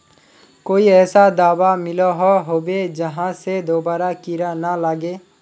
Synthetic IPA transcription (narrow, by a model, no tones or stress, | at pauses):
koːiɛːsad̪aːwamɪlaɦoɦoːbed͡ʒəɦãsed̪oːbaːɾakɪɾanalaɡeː